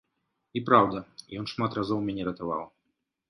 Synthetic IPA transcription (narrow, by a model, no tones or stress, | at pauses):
ipɾawd̪ɐjɔnʂmat̪razɔwmʲɛnʲɛɾɐt̪ava̰w